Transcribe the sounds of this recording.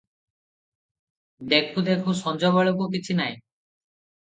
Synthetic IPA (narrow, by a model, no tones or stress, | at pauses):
d̪ekʰud̪ekʰusɔnd͡ʒɔβɔɭɔk̬ukit͡ʃʰinaj